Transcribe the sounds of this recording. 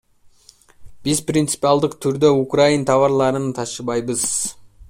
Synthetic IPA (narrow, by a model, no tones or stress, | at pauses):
b̥ɪzprint̪sɨ̥piɑlˠd̪əqt̪ʰʏɾd̪eukraint̪ʰɑvɑɾlˠɑɾənt̪ʰɑʃəbɑjbəz̥